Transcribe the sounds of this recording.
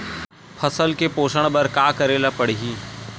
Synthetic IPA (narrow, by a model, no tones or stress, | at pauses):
pʰɐsəlkepoːʃəɽ̃bɐɾkaːkɐɾeːlapɐɽɦiː